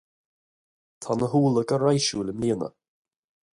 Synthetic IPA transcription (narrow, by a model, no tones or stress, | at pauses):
t̪ʰanəɦuːlˠəɡəɾajʃuləmliːnə̰